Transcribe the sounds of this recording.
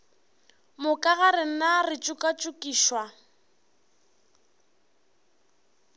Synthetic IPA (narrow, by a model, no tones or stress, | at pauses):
mʊkʼaɣaɾɪn̩narɪt͡ʃʼʊkʼat͡ʃʼʊkʼiːʃwa